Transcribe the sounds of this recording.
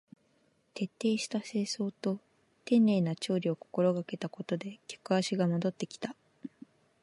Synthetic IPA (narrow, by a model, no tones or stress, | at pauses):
t̪e̞t̪ːe̞ːɕi̥t̪ase̞ːso̞ːt̪o̞ | t̪ẽ̞nːe̞ːnat͡ɕo̞ːɾʲio̞ko̞ko̞ɾo̞ɡake̞t̪ako̞t̪o̞d̪e̞kʲo̥kɯ̟aɕiɡamo̞d̪o̞t̪ːe̞kʲi̥t̪a